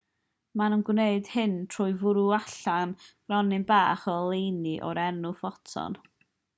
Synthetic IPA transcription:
manənɡwneɨd̥hɨntʰrʊːɨvʊɾuaɬan | rɔnɪnbaːχɔlˠejniʔɔ̰ɾɛrnʊfɔtʰɔ̰n

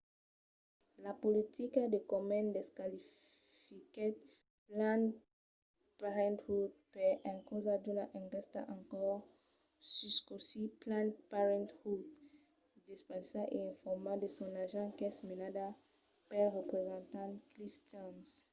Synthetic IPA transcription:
lapolit̪ikad̪ekɔmɛ̃ndɛskali | fikɛt | plãn | paʁɛ̃nthud̚pɛʔɛ̃nkozad̪unaʔɛ̃ŋkɛst̪a̰ʔãŋkɔʁ | syskɔsiplãnpaʁɛ̃nthut | dispɛ̃saʔeɛ̃fɔʁmadesɔ̃naʒãkɛsmelada | pɛʁepʁezɑ̃nt̪ãkliftans

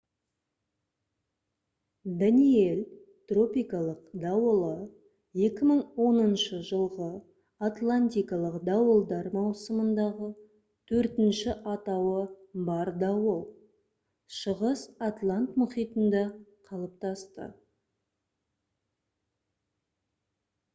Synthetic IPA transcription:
d̪anie̞l | t̪ro̞pijkɑlˠəqd̪ɑwəlˠə | je̞kʲɪməɴwo̞nənʃəʒəlˠʁə | at̪lˠanʲt̪ijkɑlˠəqd̪ɑwəlˠd̪ɑɾmɑwsəmənd̪ɑʁə | t̪ʰɵɾt̪ɪnʃɪʔɑt̪ɑwəbɑɾd̪ɑwəlˠ | ʃəʁəsat̪lˠant̪mʊχijt̪ənd̪ɑqʰɑlˠəp̚t̪ɑst̪ə̰

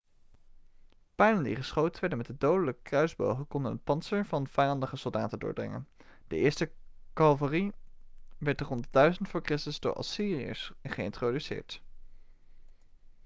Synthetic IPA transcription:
pɛjnəndḭχəsχowtəʋɛɹdənmɛt̚dədowdələkəkrœɥzbo̰wχəkɔndənɦət̚pɑnsəɹvɑnv̥ɛjɑndəχəsɵlˠda̰ːtəndʊ̰ːɹdrɪ̰ŋə̰n | d̥əʔɪːɹstəkɑlˠvəri | ʋɛɹt̚dərɔntd̥œɥzəndəfʊːkrɪstəzdʊ̰ːɹʔɑ̰siːriə̰sχəɪ̰ntrodysɪ̰ːɹt

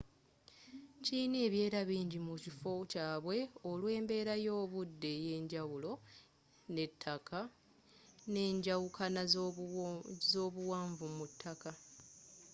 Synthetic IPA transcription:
ciːne̞βje̞ːɾaβiːɲɟimucifo̞caːβwe̞o̞lwe̞ːmbe̞ːɾajo̞ːβudːe̞je̞ːɲɟawulo̞ | ne̞tʰːakʰa | ne̞ːɲɟawukʰana | zo̞ːβuwaːɱvumutʰːaka

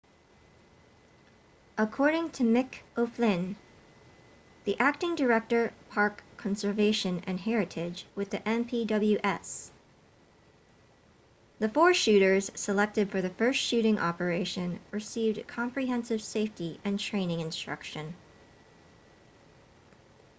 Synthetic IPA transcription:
ʔəkʰɔɹɾɪ̃ŋtʰɨmɪkoʊflɪ̃n | ðiʔæk̚tɪ̃ŋdə˞ɛk̚tə˞pʰɑɹkʰːɑ̃n̩sə˞veɪʃɨ̃nɨ̰̃nɦɛɹɨɾʰɪd͡ʒwɨðiʔɛ̃mpʰidʌbl̩ˠjʉʔɛs | ðɨfɔɹʃʉɾə˞z̥səlɛk̚tɨd̥fə˞ðɨfɜ˞stʃʉɾɪ̃ŋʔɑ̰pə˞eɪʃɨ̃nɹɨsivd̚kʰɑ̃mpɹiɦɛ̃nsɨv̥seɪftiɨ̃ntʰɹ̥ẽɪ̃nɪ̃ŋɨ̃nstɹ̥ʌ̰kʃɨ̃n

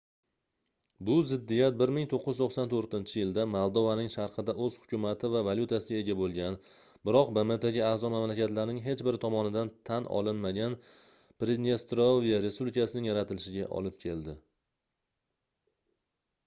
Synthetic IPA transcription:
bʊzɪd̪ːijat̪̚bɪɾmɪŋt̪ʰoqːɨjzt̪ʰoχsant̪ʰoɾt̪ɪnt͡ʃʰɪjɪld̪amalˠd̪ovanɪŋʃaɾqʰɨd̪aʔɵz̥hʊ̥kʲʊmat̪ʰɪvavaljʊt̪ʰasɪɡʲae̞ɡʲabolˠɡʲan | bɪɾɒq̚bemet̪eɡʲɪazɒmamlakʲat̪laɾnɪŋɦe̞t͡ʃbɪɾt̪ʰɒmɒnɪd̪ant̪ʰanʔɒ̰lɪnmaɡʲan | pɾed̪nʲest̪ɾovijaɾe̞spublikʰasɪnɪŋjaɾat̪ʰɪlɪʃɪɡʲa̰ʔɒ̰lɪp̚kʲʰe̞ld̪ɪ

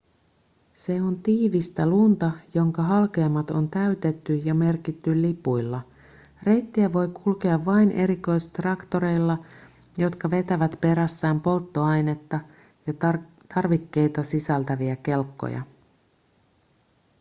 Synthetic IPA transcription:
se̞o̞nt̪iːʋist̪ælunt̪ɑjo̞ŋkɑɦɑlk̟eɑmːɑt̪o̞nt̪æyt̪e̞t̪ːyjɑme̞rkit̪ːyllːipujlːɑ | re̞jt̪ːiæʋo̞jkʰulke̞ɑʋːɑjnʔe̞̰ɾiko̞jst̪rɑkt̪o̞ɾe̞jlːɑ | jo̞t̪kɑʋe̞t̪æʋæt̪pe̞ɾæsːæːmpo̞lt̪ːo̞ɑjne̞t̪ːɑ | jɑ | t̪ʰɑrʋikːe̞jt̪ɑsisælt̪æʋiæke̞lkːo̰jɑ̰

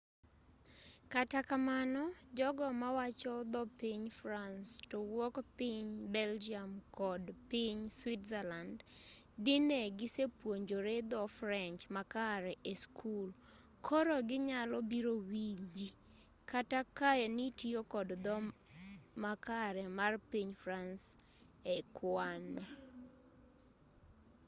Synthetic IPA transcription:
katakamanɔd͡ʒɔɡɔmawat͡ʃɔd̪ɔpiɲfɾanstowɔkpiɲbɛld͡ʒiamkɔdpɪɲswɪtzɛland | dɪneɡɪsepwoɲd͡ʒoɾed̪ɔfɾɛnt͡ʃmakaɾɛʔeskʰul | kʰɔɾɔɡɪɲalɔbiɾowid͡ʒi | katakaɛnitiokɔdd̪ɔ | makaɾɛmarpiɲfɾans | ekʰwanɔ

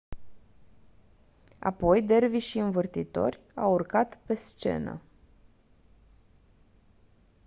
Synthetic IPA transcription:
a̰po̞jd̪e̞rviʃiɨnvɨrt̪it̪o̞rʲ | awurkat̪pe̞st͡ʃe̞̰nə̰

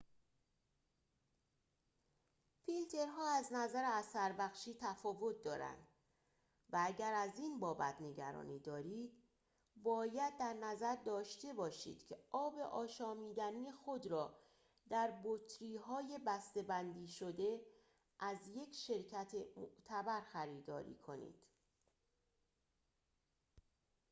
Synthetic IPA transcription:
filt̪ʰe̞ɾɦɒːæznæzæɾeæsæɾbæxʃiːt̪ʰæfɒːvo̞t̪̚ʰd̪ɒːɾæ̰nd̪̥ | vææɟæɾæziːnbɒːbæ̰t̪ʰne̞ɟæ̰ɾɒ̰ːniːd̪ɒːɾiːd̪̥ | bɒːjæd̪̚ːæɾnæzæɾd̪ɒːʃt̪e̞bɒːʃḭːd̪̥cʲʰe̞ɒːbe̞ʔɒːʃɒːmiːd̪æniːxo̞d̪ɾɒː | d̪̥æɾbot̪ʰɾiːɦɒːje̞bæst̪e̞bænd̪iːʃo̞d̪e̞ | ʔæzje̞cʰʃe̞ɾcʰæt̪ʰemoʔt̪ʰæbæɾxæɾiːd̪ɒ̰ːɾḭːkʰo̞nḭːd̪̥

